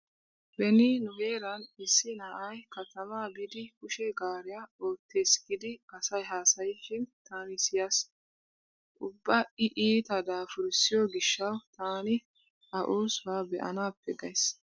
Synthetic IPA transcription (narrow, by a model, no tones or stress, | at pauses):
bɛnɪnʊheːɾɐnɪsːɪnaːʔɐjkɐt̪ɐmaːbɪd̪ɪkʊʃɛɡaːɾɪjaoːt̪ːe̞ːsɡɪd̪ɪkɐsɐjɦaːsɐjʃɪnt̪aːnɪsɪjas | ʔʊbːɐɪʔiːt̪ɐd̪aːfʊɾsɪjoɡɪʃːɐwt̪aːnɪ | ɐʔoːswaːbɛʔɐ̰naːpːɛɡɐjs